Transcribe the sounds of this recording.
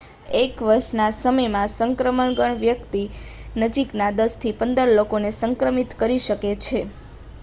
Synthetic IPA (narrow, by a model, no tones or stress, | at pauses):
ekʋəɾʃnasəməjmãsəŋkɾəməɳɡəɳʋjəkt̪inəd͡ʒiknad̪əst̪ʰipənd̪əɾlokonesəŋkɾəmit̪kəɾiʃəket͡ʃʰe